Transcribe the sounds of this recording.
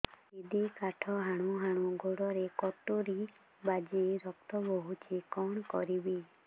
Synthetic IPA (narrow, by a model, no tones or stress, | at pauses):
id̪ikaʈʰɔɦaɽ̃uɦaɽ̃uɡoɽɔɾekɔʈoɾi | bad͡ʒeɾɔkt̪ɔboɦut͡ʃʰikɔɳ̃ɔkɔ̰ɾibi